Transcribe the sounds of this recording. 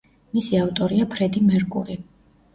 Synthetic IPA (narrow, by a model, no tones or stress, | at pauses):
misiavt̪ʼɔɾiapʰɾɛd̪imɛɾkʼṵɾi